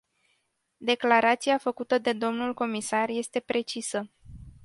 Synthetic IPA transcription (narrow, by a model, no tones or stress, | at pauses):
d̪e̞klaɾat̪siafəkut̪əd̪e̞d̪o̞mnulko̞misarje̞st̪e̞pɾʔe̞t͡ʃisə